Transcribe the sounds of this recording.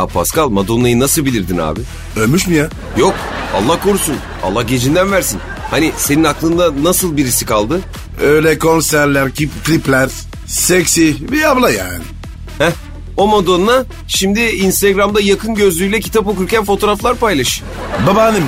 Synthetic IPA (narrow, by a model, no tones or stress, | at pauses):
a̰pʰa̰skalˠmad̪o̞nːˠajɯnasɯlˠbilʲiɾd̪ina̰ːbɪ | ølʲmyʃmija | jo̞ka̰lˠːahkʰo̞ɾusun | a̰lˠːahɟe̞d͡ʒind̪ænvæɾsin | hanise̞ninaklˠɯnd̪anasɯlˠbiɾisikʰalˠd̪ɯ | øjlʲɛkʰo̞nsæɾlʲæɾcipklʲiplʲæɾ | seksiviablˠajaːnɪ | hɛ | o̞mad̪o̞nːa | ʃimd̪ɪːnst̪eɡɾamd̪ajakʰɯnɟø̞zlʲyjlʲɛcʰi̥t̪ʰapokuɾcænfo̞t̪ʰo̞ɾaflˠaɾpajlˠaʃɯ̥ | babaːnɯm